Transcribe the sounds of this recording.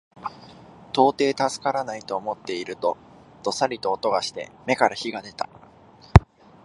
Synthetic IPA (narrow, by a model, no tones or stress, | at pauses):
t̪o̞ːt̪e̞ːt̪asɨ̥kaɾanait̪o̞ːmo̞t̪ːe̞iɾɯ̟t̪o̞ | d̪̥o̞saɾʲit̪o̞ːt̪o̞ɡaɕi̥t̪e̞̰me̞kaɾaçiɡad̪e̞t̪a̰